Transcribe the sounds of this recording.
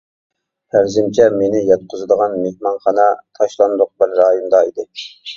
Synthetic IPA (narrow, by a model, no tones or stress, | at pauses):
hʰæɾzɪmt͡ʃʰɛmenɪjɑt̪̚qʰʊzɨd̪əʁɑnmehmɑnχɑnɑt̪ʰɑʃlˠɑnd̪ʊq̚bɪɾːɑːjond̪ɑid̪ɪ